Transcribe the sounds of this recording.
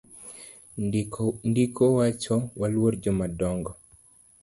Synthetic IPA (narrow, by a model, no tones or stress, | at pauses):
ndikʰowat͡ʃɔwalwoɾd͡ʒɔmadɔŋɡɔ